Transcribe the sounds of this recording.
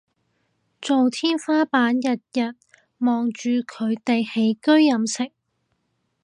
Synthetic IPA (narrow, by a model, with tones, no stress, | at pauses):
t͡so˨wt̪ʰiː˥nfaː˥paː˨˥njɐ˨t̚jɐ˨t̚ | mɔː˨ŋt͡ʃyː˨˧kʰɵ˨˧ɥt̪e˨jhe˨˥jkɵ˥ɥːɐ˨˧msɪ˨˩ŋ̚